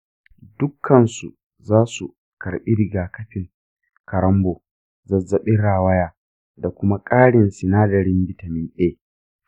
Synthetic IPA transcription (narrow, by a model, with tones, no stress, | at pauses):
dʊ˦kʰːɐ˨nsṵ˨ | zaː˦su˨ | kɐ˨ɾɓi˦ɾɪ˨ɡaː˨kɐ˦ɸɪ˨ŋ | kɐ˨ɾɐ˦mboː˨ | zɐ˨zːɐ˨ɓɪ˦ɽaː˨wɐ˦jaː˦ | da˨kʷʊ˦ma˦kʼaː˦ɽɪ˨nsɪ˨naː˦dɐ˨ɾɪ˦mbɪ˨tɐ˨mɪ˦nɗeː˦